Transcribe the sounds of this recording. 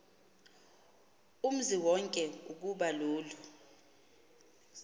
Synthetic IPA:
um̩ziwɔŋkʼɛuk̬uɓaloːlu

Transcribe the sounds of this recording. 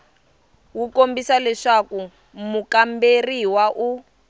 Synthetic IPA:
wukombisalɛʂaku | mukamberiwaʔu

